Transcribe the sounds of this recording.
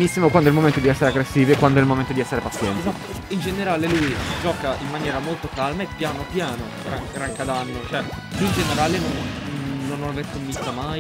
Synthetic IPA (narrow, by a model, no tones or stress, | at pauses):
nisːimokwand̪oɛlmoment̪od̪iɛsːeɾeaɡɾesːiːvikwand̪oɛilmoment̪od̪iɛsːeɾepat̪sːjɛnt̪sa | ind͡ʒeneɾaːlelujd͡ʒɔːkaimːanjɛːɾamolt̪okalmaepjaːnopjaːno | ɾaŋɡɾaŋkad̪anːot͡ʃoɛind͡ʒeneɾaːlenonː | onːonaverkomːist̪ːama